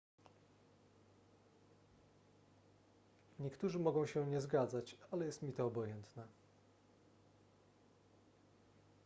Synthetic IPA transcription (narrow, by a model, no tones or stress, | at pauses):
ɲɛkt̪uʐɘmɔɡɔ̃w̃ɕɛɲɛzɡad̪zat͡ɕalɛjɛst̪mʲit̪ɔːbɔjɛnt̪nɛ